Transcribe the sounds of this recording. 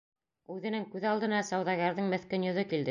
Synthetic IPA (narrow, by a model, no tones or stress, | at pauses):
ʉðɘ̆nɘŋkʉðɑlˠd̪ɤ̆nɑsɑwðɑɣæɾðɤɴmɘ̆θkɘnjɵ̆ðɵkild̪ɘ